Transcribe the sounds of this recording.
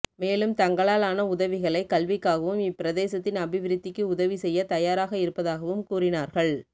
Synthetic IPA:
meːlɯmt̪ɐŋɡɐɭaːlaːnɐʊðɐʋɪɣɐɭɐɪkːɐlʋɪkːaːɣɐʋɯmɪpːɪɾɐðeːsɐt̪ːɪnɐbɪʋɪɾɯt̪ːɪkːɯʊðɐʋisɛjːɐt̪ɐjaːɾaːɣɐɪɾɯpːɐðaːɣɐʋɯmkuːrɪnaːɾɣɐɭ

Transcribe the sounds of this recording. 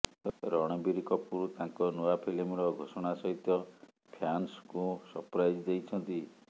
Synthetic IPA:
ɾɔɽ̃ɔbiɾikɔpuɾut̪aŋkɔnoapʰilimɾɔɡʱosɔɽ̃asɔɦit̪ɔ | pʰjanskũsɔpɾajd͡ʒd̪ejt͡ʃʰɔnt̪i

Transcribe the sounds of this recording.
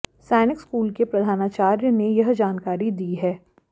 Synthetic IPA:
sɛːnɪkskuːlkepɾɐd̪ʱaːnat͡ʃaːɾjənejɐɦd͡ʒaːnkaːɾid̪iːɦɛː

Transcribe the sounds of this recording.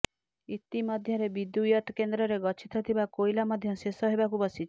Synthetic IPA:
it̪imɔd̪ʱjɔɾebid̪ujɔt̪kend̪ɾɔɾeɡɔt͡ʃʰit̪ʰɔt̪ʰibakojlamɔd̪ʱjɔsesɔɦebakubɔsi

